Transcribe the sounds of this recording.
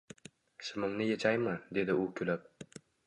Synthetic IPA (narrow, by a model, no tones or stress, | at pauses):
ʃɪmɪmnɪjet͡ʃʰajmɪd̪e̞d̪ɪʊkʲʰɵlap̚